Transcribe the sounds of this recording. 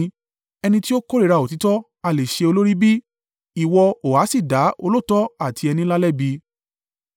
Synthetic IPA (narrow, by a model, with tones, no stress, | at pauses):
ɛ˧nĩ˧ti˦o˦ko˦ɾe˦˨ɾa˧˨o˨ti˨˦tɔ˦ | a˧˨le˨ʃe˧o˧lo˦ɾi˦bi˦ | i˨wɔ˧o˨a˨˦si˦˨da˨˦o˧lo˦˨tɔ˦a˦˨tʰi˧ɛ˧nĩ˧˦la˦lɛ˦˨bi˧